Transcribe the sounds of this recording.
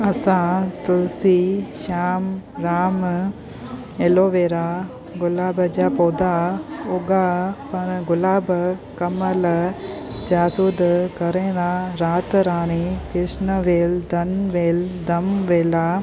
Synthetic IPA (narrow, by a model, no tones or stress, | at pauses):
ɐsãːt̪usiʃaːmɾaːm | eloːʋeːɾaː | ɡʊlaːbɐd͡ʒaːpoːd̪aːoɡaːpɐnɡʊlaːbɐkɐmɐlɐd͡ʒaːsud̪kɐɾeːnaːɾaːt̪ɾaːɾ̃ikɾɪʂnɐʋeːld̪ɐnʋeːld̪ɐmʋeːla